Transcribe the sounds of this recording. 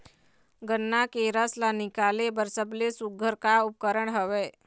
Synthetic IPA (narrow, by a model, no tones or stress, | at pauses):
ɡənːakeɾəslanɪkaːlebəɾsəblesuɡʱəɾkaʊp̚kəɾəɳɦəʋeː